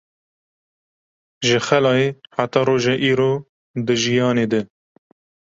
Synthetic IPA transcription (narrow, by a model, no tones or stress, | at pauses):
ʒɨxɛlɑːjeːħat̪ɑːɾoːʒɛʔiːɾoː | d̪ɨʒijɑːneːd̪ɨ